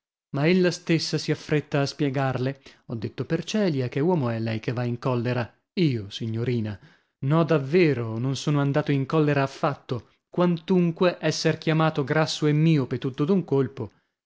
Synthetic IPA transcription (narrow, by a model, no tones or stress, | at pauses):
maelːast̪esːasiafːɾet̪ːaːspjɛɡarleɔd̪ːet̪ːopert͡ʃɛːljakewɔːmoɛlːɛjkevːaiŋkɔlːeɾa | iːosiɲːoɾiːna | nɔd̪avːeːɾononsoːnoand̪aːt̪oiŋkɔlːeɾaːfːat̪ːo | kwant̪uŋkweʔɛsːerkjamaːt̪oɡɾasːoemːiːopet̪ːut̪ːod̪uŋkolpo